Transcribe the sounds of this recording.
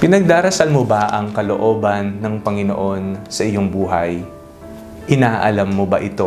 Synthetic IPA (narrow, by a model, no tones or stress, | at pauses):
pɪnɐɡ̚d̪aːɾɐsɐlmobɐʔɐŋkɐlo̞ʔo̞ːbɐnːɐŋpɐŋɪno̞̰ʔo̞nsɐʔɪjo̞ŋbuːɦɐj | ʔɪnaːʔɐlɐmːobɐʔɪt̪o̞